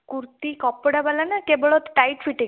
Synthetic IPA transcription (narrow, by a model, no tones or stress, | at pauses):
kuɾt̪ikɔpːəɽabalanakebəɭɔt̪ʈajʈfiʈi